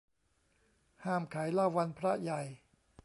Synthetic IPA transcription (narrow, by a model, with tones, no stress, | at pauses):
haː˥˩mkʰa˩˦jlaː˥˧˩wːa˧npʰɾa˦˥ja˨˩j